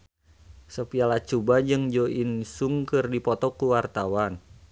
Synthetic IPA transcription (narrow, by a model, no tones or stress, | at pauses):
səpialat͡ʃubad͡ʒɨŋd͡ʒoʔinsuŋkɨrdipɔt̪ɔkuwart̪awan